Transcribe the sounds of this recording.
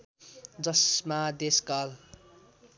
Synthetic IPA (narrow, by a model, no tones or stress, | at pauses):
d͡zʌsmad̪eskal